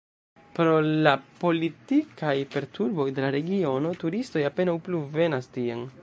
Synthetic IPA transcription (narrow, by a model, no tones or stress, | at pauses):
pɾo̞lapo̞litikajpe̞ɾtuɾbo̞jde̞laɾe̞ɡio̞no̞tuɾisto̞jape̞nawpluve̞nastien